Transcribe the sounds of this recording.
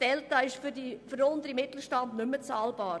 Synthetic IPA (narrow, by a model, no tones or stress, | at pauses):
fɛltɑːɪʃfydifəɾʊnd̪əɾimɪt̪l̩ʃtɑndnʏmːət͡sɑːlb̥ɑːɾ